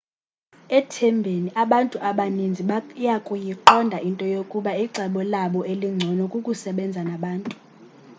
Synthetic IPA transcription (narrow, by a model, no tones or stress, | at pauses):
ɛtʰɛmbʱeniʔaɓantʼuʔaɓanind͡zʱijakʼujiǃɔndʱaʔintʼɔjokʼuɓaiǀʱɛɓɔlaɓɔʔeliŋ͡ǀʱɔnɔkʼukʼusɛɓɛnd͡zʱanaɓaːntʼu̥